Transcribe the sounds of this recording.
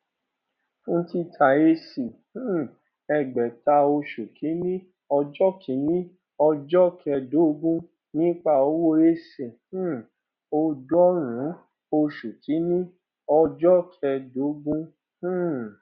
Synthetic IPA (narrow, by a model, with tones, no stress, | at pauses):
fũ˦ti˦tʰa˨e˧si˨ | ũ˦ | ɛ˧ɡ͡bɛ˨ta˧o˧ʃu˨kʰi˨˦nĩ˦ | ɔ˧d͡ʒɔ˦kʰi˨˦nĩ˦ | ɔ˧d͡ʒɔ˦kʰɛ˧do˨˦ɡũ˦ | nĩ˦k͡pa˦˨o˧˦wo˦e˦se˨ | ũ˦ | o˧dɔ˦ɾ̃ũ˨˦ | o˧ʃu˨kʰi˨˦nĩ˦ | ɔ˧d͡ʒɔ˦kʰɛ˧do˨˦ɡũ˦ | h̩˦˨